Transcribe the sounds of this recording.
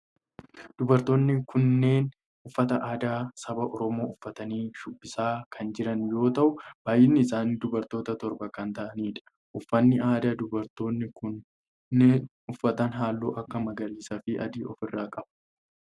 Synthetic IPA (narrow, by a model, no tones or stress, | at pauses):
d̪̥ʊbɐɾt̪o̞ːnːɪkʰʊnːe̞ːn | ʔʊfːɐt̪ɐʔaːd̪aːsɐbɐʔɔɾɔmo̞ːʊfːɐt̪ɐniːʃʊbːɪsaːkʰɐnd͡ʒɪɾɐnjo̞ːt̪ɐʔʊb̥aːjɪnːɪɪsaːnd̪ʊbɐɾt̪o̞ːt̪ɐt̪ɔɾbɐkɐnt̪ɐʔɐniːᶑɐ̥ | ʔʊfːɐnːɪʔaːd̪aːd̪ʊbɐɾt̪o̞ːnːɪkʊnː | eːn | ʊfːɐt̪ɐnɦaːlːoːʔɐkːɐmɐɡɐɾiːsɐfɪʔɐ̰d̪iːɔfɪrːaːkʼɐb̥